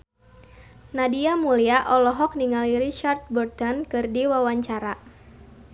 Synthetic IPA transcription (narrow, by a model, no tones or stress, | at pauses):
nadiamuliaʔɔlɔɦɔk̚niŋalirit͡ʃart̪̚bɔrt̪ɔnkɨrdiwawaɲt͡ʃaɾa